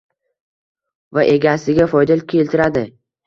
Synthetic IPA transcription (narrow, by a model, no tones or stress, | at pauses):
vaʔe̞ɡʲasɪɡʲafɒjd̪alkʲʰe̞lt̪ʰɪɾad̪ɪ